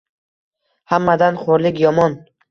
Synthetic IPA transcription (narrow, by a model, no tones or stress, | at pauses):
hamːad̪anχoɾlɪkʲjɒmɒn